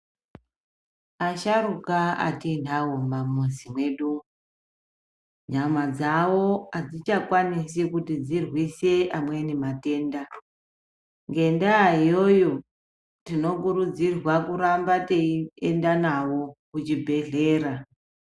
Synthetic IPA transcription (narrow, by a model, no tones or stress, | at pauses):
aʃaɾukaa̰tindaɦombamuzimwe̞ɗu | ɲamad͡zawo̞ad͡zit͡ʃakwanisekutid͡zirwiseʔamwe̞nimate̞ːnda | ŋɡe̞ndaːijo̞jo̞ | tino̞kuɾud͡zirwakuɾambateiendanawo̞kut͡ʃibʱe̞ɮe̞ːɾa